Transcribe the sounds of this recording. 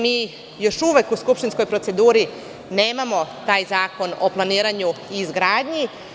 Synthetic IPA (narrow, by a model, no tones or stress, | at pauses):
miː | jo̞ʃuʋe̞kuskupʃt̪insko̞jpɾo̞t̪se̞d̪uːɾi | ne̞ːmamo̞t̪aːjzaːko̞no̞plˠaniːɾaɲuiːzɡɾaːd̪ɲi